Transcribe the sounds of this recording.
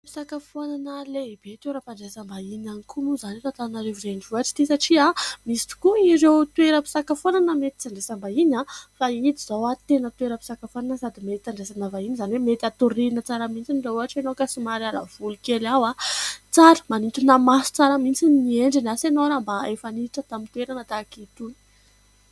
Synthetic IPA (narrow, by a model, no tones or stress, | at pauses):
pi̥sakafonanəleib̥et̪ewɾapaɳɖ͡ʐesambainanikʰumuzanet̪at̪annaleviɾeɳɖ͡ʐuaʈ͡ʂi̥d̪̥esaʈ͡ʂiamisi̥t̪i̥kuiɾewt̪ueɾəpi̥sakafonanəmet̪i̥t͡saɳɖ͡ʐesambainafaid̪iz̥owat̪enət̪ueɾəpi̥sakafonanəsad̪imet̪it̪aɳɖ͡ʐesanavainizanwemet̪at̪uɾiinət͡saɾamint͡sinireuɦaʈ͡ʂenokasimaɾala̰v̥ulukelawat͡saɾə̥manint̪unamasu̥t͡saɾamint͡sinnieɳɖ͡ʐinasenoɾambaefaniʈ͡ʂət̪amint̪uweɾanat̪akit̪un